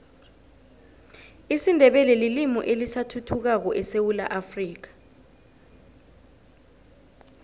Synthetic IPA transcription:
isindʱɛɓɛlɛlilimɔ̰ʔelisatʰutʰuk̬ak̬ɔʔɛsewula̰ʔafriːk̬ḁ

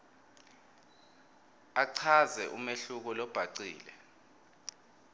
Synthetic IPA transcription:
aǀʰazɛʔumeɬuk̬ɔlɔb̥ʱaǀiːlɛ

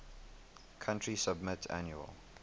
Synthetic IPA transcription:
kʰãntɹisəb̚mɪtʰa̰njuə̰lˠ

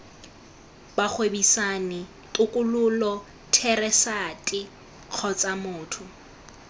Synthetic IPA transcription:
bak͡xʰwebisanɪ | tʼʊkʼʊlʊlɔ | tʰɛrɛsatʼɪ | q͡χʰɔt͡sʼamʊːtʰʊ

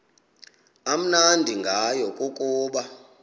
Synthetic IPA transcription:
am̩nandʱiŋɡʱajɔkʼukʼuːɓa

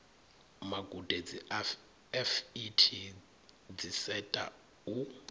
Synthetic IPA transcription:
maɡud̥ʱɛd͡zi | ɛfitʰi | d͡zisɛtʼa̰ | u

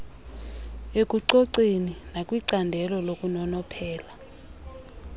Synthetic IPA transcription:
ek̬ʼuǀoǀeninakʼwiǀandʱɛlɔlokʼunɔnɔpʰɛːla

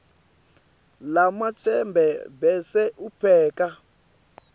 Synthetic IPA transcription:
lamat͡sʰɛmbʱɛbɛsɛʔupʰɛːka

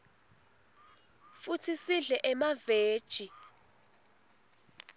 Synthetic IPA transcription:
futʰisiɮɛʔɛmaveːd̥ʒ̥ʱi

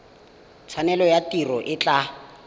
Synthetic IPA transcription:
t͡sʰanɛlɔjatirɔʔɪt͡ɬʼa

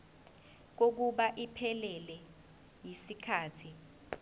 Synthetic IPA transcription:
k̬ok̬uɓaʔipʰɛlɛlɛ | jisikʰaːtʰi

